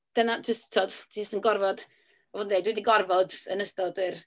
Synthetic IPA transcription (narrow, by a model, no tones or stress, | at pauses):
d̥ənad͡ʒəsttʰodʰiəstənɡɔrvɔd̥ | vɔːdndejdwɛdiɡɔrvɔdə̰nəstɔdər